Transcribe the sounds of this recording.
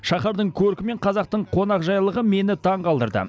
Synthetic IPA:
ʃɑχɑɾd̪əɴkʲʰɵɾkʲɪme̞ɴqʰɑzɑq̚t̪əɴqʰo̞nɑqʒɑjlˠəʁəme̞nɪt̪ʰɑɴqɑlˠd̪əɾd̪ə̰

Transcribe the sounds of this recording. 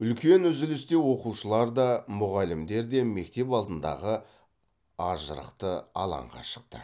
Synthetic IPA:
ʏlkʲe̞nʏzɪlɪst̪e̞wo̞quʃəlˠɑɾd̪ɑmʊʁɑlɪmd̪e̞ɾd̪e̞me̞k̚t̪e̞pɑlˠd̪ənd̪ɑ̰ʁə | ɑʒə̰ɾə̰qt̪əɑ̰lˠɑ̰ɴʁɑ̰ʃə̥q̚t̪ə̰

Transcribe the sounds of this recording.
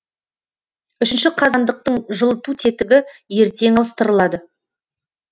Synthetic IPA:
ʏʃɪnʃɪqʰɑzɑnd̪əq̚t̪əɴʒəlˠət̪ut̪ʰe̞t̪ɪɡʲɪje̞ɾt̪e̞ŋɑwəst̪əɾəlˠɑd̪ə

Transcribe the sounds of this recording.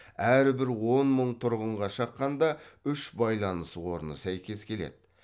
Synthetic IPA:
æɾbɪɾwo̞nməɴt̪ʰʊɾʁəɴʁɑʃɑqːɑnd̪ɑʏʃbɑjlˠɑnəswo̞ɾnə̰sæjkʲe̞skʲʰe̞le̞̰d̪̥ɪ

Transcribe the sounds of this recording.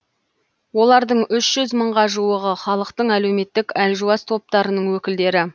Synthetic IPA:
wo̞lˠɑɾd̪əɴʏʃʒ̥ʏzməɴʁɑʒuwəʁəχɑlˠəqt̪əɴæle̞wme̞t̪ːɪkælʒuɑst̪ʰo̞p̚t̪ɑɾənəɴwɵkʲɪld̪e̞ɾɪ

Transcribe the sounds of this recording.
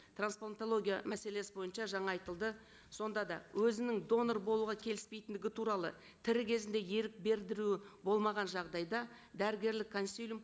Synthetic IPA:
t̪ʰransplˠant̪olˠo̞ɡʲijamæse̞le̞sɪbo̞jənʃɑʒɑɴɑːjt̪əlˠd̪ə | so̞nd̪ɑd̪ɑ̰wʔɵzɪnɪŋd̪o̞norbolˠuʁɑkʲʰe̞lɪ̥spe̞jt̪ɪnd̪ɪɡʲɪt̪ʰuɾɑlˠə̰ | t̪ʰɪɾɪkʲʰe̞zɪnd̪e̞je̞ɾɪk̚be̞ɾd̪ɪɾuɪbo̞lˠmɑʁɑnʒɑʁd̪ɑjd̪ɑ | d̪æɾɪɡʲe̞ɾlɪkʰːonsʲilʲum

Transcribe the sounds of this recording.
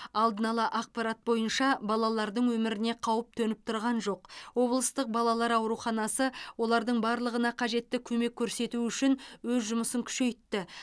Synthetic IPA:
ɑlˠd̪ənɑlˠɑʔɑq̚pɑɾat̪̚bo̞jənʃɑbɑlˠɑlˠɑɾd̪əɴwɵmɪɾɪne̞qʰɑwəp̚t̪ʰɵnɪp̚t̪ʰʊɾʁɑnʒo̞qwo̞blˠəst̪əq̚bɑlˠɑlˠɑɾɑwɾuχɑnɑsəwo̞lˠɑɾd̪əɴbɑɾlˠəʁənɑqʰɑʒe̞t̪ːɪkʲʰɵme̞kʲʰːɵɾse̞t̪uʏʃɪnwɵzʒʊməsəŋkʲʰʏ̥ʃe̞jt̪ːɪ

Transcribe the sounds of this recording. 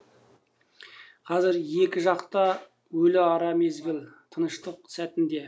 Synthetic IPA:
qʰɑzɪɾje̞kʲɪʒɑqt̪ə | wɵlɪɑɾɑme̞zɡʲɪlˠt̪ʰənəʃt̪əq̚sæt̪ɪnd̪e̞

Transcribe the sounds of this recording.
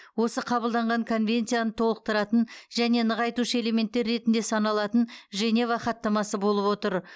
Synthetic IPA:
wo̞səqʰɑbəlˠd̪ɑɴʁɑŋkʰo̞nvʲe̞nt̪sijanət̪ʰo̞lˠəq̚t̪əɾɑt̪ənʒæne̞nəʁɑjt̪uʃəe̞le̞me̞nt̪ːe̞ɾːe̞t̪ɪnd̪e̞sɑnɑlˠɑt̪ənʒe̞ne̞vaχɑt̪ːɑmɑsəbo̞lˠəpwot̪əɾ

